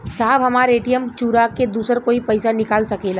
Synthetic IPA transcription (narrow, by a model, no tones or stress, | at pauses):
saːbɦɐmaːɾeːʈijəmt͡ʃuːɾaked̪uːsəɾkoːipɐɪsanɪkaːlsɐkeːla